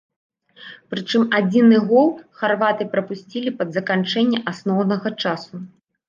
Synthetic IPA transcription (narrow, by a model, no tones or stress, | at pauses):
pɾɨt͡ʂɨmad͡zʲinɨɣɔlˠxarvat̪ɨpɾɐpusʲt͡sʲilʲipɐd̪zɐkant͡ʂɛnʲːɐʔasnɔwnɐɣɐt͡ʂasu